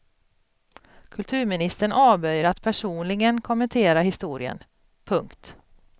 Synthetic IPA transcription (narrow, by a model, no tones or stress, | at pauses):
kʰɵlt̪ʰʉ̟ːɾmɪnɪst̪əɳʔɑːvœjɾat̪pʰæʂuːnlɪɡənkʰɔmːɛnt̪ʰeːɾaɦɪst̪uːɾɪ̰ə̰n | pʰɵŋkt̪